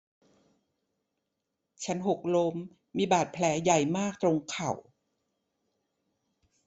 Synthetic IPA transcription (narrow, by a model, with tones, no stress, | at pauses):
t͡ɕʰa˦˥nɦo˨˩k̚lo˧mː | iː˧baː˨˩t̪̚pʰlɛː˩˦ja˨˩jmaː˥˩k̚t̪ɾo˧ŋkʰa˨˩w